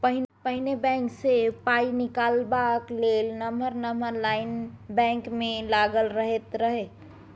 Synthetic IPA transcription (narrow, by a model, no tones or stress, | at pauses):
pəɦpəɦɪnebɛ̃ːŋksepaːinɪkaːlbakleːlnəməɾnəməɾlaːɪnbɛ̃ːŋkmẽlaɡəlɾəɦet̪ɾəɦe